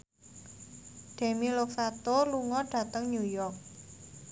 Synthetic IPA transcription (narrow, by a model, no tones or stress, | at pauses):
ɖ̥e̤milok̚sat̪oluŋɔɖ̥ä̤t̪əŋɲujɔrk̚